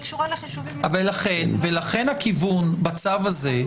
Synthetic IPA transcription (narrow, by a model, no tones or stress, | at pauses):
kʃa | avalːaχenvelaχe̞nhakivunbat͡savaze̞